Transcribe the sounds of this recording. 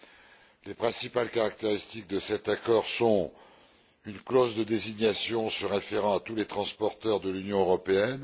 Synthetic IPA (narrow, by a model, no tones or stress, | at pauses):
lepχɛ̃sipalkaʁak̚t̪eʁist̪ik̚d̪əsɛt̪akɔʁsɔ̃ | ynklozd̪əd̪eziɲjasjɔ̃səʁefeʁɑ̃at̪ulet̪χɑ̃spɔʁt̪œʁd̪əlynjɔ̃øʁɔpeɛn